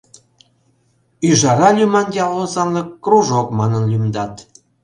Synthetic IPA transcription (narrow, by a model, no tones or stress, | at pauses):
yʒɑɾɑlʲymɑnjɑlːozɑnləkːruʒokmɑnənlʲymd̪ɑt̪